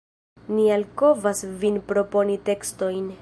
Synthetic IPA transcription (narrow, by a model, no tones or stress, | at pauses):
nialko̞vasvinpɾo̞po̞nite̞ksto̞jn